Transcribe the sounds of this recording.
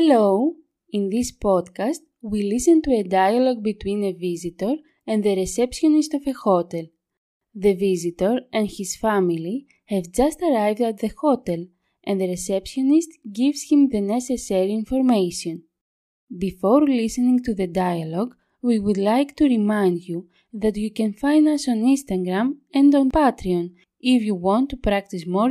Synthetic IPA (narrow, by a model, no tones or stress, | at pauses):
helow | ĩnðispod̪kɐst̪ | wilisẽnt̪uedajɐloɡ̚bit̪wĩnevizit̪oɾ | ẽnd̪ðeɾesepʃjonist̪ovexot̪el | ðevizit̪oɾẽndçisfamili | hɛvd͡ʒɐst̪ɐɾajvd̪ɐt̪ðexot̪el | ʔẽnd̪ðeɾesepsjonist̪ɡivsçĩmðeneseseɾiinfoɾmejsiõn | bifoɾlisenĩŋt̪uðedajɐloɡ | wiwud̪lajkt̪uɾimãj̃nd̪ju | ðɐt̪jukẽnfãjndɐsõnĩnst̪ɐɡɾɐmɛ̃ndõnpat̪ɾiõn | ifjuwõnt̪ːupɾakt̪ismo